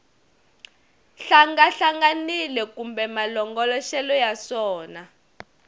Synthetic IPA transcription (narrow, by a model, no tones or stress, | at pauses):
ɬaŋɡaɬaŋɡanilɛkumbɛmalɔŋɡɔlɔʃɛlɔjasɔːna